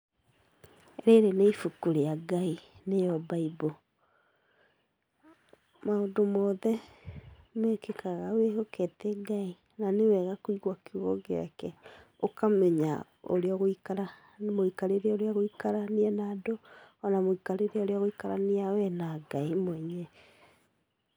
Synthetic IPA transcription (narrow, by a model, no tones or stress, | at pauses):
ɾeɾeneifukuɾeaɡainejɔbaibo | maodomɔðɛ | mekekaɣaweɦoketɛɡai | nanewɛɣakoiɣwakuɣɔɡeɾa̰kɛ | okamɛɲa | o̰ɾeɔɣoikaɾa | moikaɾeɾeoɾeaɣoikaɾaniɛnadoɔnamoikaɾeɾeaoɾeaɣoikaɾaniawɛnaɡaimwɛɲɛ